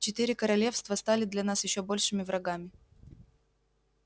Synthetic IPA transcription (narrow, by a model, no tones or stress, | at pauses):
t͡ɕɪt̪ɨɾʲɪkəɾɐlʲe̞fst̪vəst̪alʲɪd̪lʲɐnasjɪɕːo̞bolʲʂɨmʲɪvɾʔɐɡamʲɪ